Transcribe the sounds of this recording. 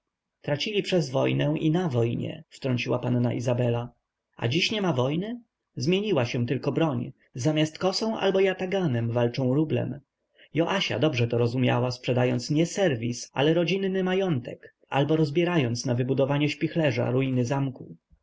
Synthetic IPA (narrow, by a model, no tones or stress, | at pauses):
t̪ɾat͡ɕilʲipʂɛzvɔjnɛ̃ʔinavɔjɲɛ̰ft̪ɾɔɲt͡ɕiwapanːa̰ʔizabɛla | ʔa̰d͡ʑiɕɲɛmavɔjnɘ | zmʲjeɲiwaɕɛ̃t̪ɘlkɔbɾɔɲ | zamʲjast̪kɔsɔ̃w̃ʔa̰lbɔjat̪aɡanɛmvalt͡ʂɔ̃w̃ɾublɛ̰m | jɔʔaɕa̰d̪ɔbʐɛt̪ɔɾɔzumʲja̰waspʂɛd̪ajɔnt̪sɲɛsɛɾvʲisa̰lɛɾɔd͡ʑinːɘmajɔnt̪ɛk | a̰lbɔɾɔzbʲjɛɾajɔnt̪snavɘbud̪ɔvaɲɛɕpʲixlɛʐa̰ɾujinɘzamku